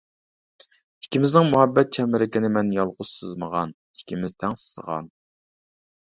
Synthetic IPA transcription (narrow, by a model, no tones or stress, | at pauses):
ikʲimɪznɪŋmuhɛbːɛt̪̚t͡ʃʰɛmɪɾɪkʲɪnɪmɛnjɑlˠʁʊz̥sɨzməʁɑn | ikʲimɪzt̪ʰɛŋsɨ̥sə̰ʁɑ̰n